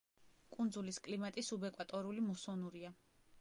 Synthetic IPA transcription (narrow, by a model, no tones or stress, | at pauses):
kʼund̪zuliskʼlimat̪ʼisubɛkʼwat̪ʼɔɾulimɔsɔnuɾia